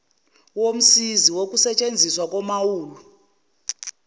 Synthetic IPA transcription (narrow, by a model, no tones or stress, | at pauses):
wom̩siziwokʼusɛt͡ʃʼend͡zʱiswakʼɔmawuːlu